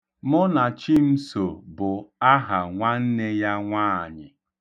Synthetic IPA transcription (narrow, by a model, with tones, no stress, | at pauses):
mʊ˦na˨t͡ʃi˦m̩˦so˨bʊ˨a˦ɦa˨ŋʷa˦n̩˦ne˦ja˦ŋʷaː˦˨ɲɪ˨